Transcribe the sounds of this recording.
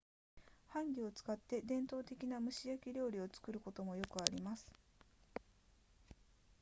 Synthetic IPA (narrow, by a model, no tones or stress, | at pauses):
hãŋɡʲio̞t͡sɨ̥kat̪ːe̞d̪ẽ̞nt̪o̞ːt̪e̞kʲinamɯ̟ɕijakʲiɾʲo̞ːɾʲio̞t͡sɨ̥kɯ̟ɾɯ̟ko̞t̪o̞mo̞jo̞kɯ̟aɾʲimasɨ̥